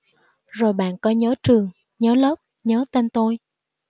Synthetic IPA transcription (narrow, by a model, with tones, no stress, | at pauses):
zo˨˩jɓa̰ː˧˨nkɔ˨˧˦ɲəː˨˦t͡ɕɨ˨˩əŋ | ɲəː˨˦ləː˦˥p̚ | ɲəː˨˦t̪e˧nt̪o˧j